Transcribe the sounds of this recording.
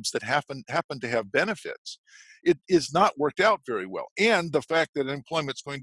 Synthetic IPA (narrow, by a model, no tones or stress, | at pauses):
bzðɨt̚ɦæpɨ̃nhæpə̃ntɨːvbɛnɨfɪ̰ts | ɪɾɪznəʔ̚wɜ˞k̚taʊtv̥ɛɹiwɛ̰lˠɨ̃nðəfæk̚ðɨɾɨ̃nɨ̃mpʰl̥ɔɪmɨ̃ntsɡ̥oʊɪ̃ŋt